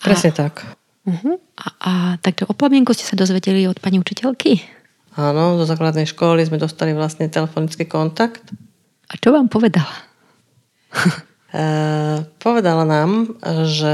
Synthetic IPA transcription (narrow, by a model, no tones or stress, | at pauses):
pɾɛsɲɛt̪ak | m̩ɦ̩ | aʔat̪aɡʒɛʔɔpamɪɛŋkuscɛ̥sad̪ɔzʋɛɟɛliɔt̪̚paɲiut͡ʃicɛʎki | aːnɔzɔzaːklad̪nɛjʃkɔlizmɛd̪ɔst̪aliʋlasɲɛt̪ɛlɛfɔnit͡skiːkɔnt̪akt̪ | ʔat͡ʃɔʋaːmpɔʋɛd̪ala | pɔʋɛd̪alanaːmʒɛ